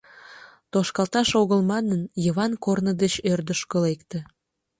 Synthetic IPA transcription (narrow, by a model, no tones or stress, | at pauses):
t̪oʃkɑlˠt̪ɑʃoɣəlmɑnənjəβɑnkornəd̪et͡ɕørd̪əʃkəlekt̪ə̆